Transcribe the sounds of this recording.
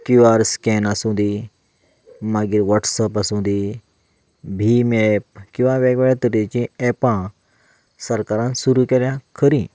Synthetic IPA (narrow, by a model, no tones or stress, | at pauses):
kĩʋaɾskɛnasũd̪i | maɡiːɾʋəʈsəpasũd̪i | bʱimɛp̚kĩw̃ʋãʋɛɡʋɛjat̪ɾet͡ɕĩɛpã | səɾkaɾãnsuɾukeɾjãkʰəɾĩ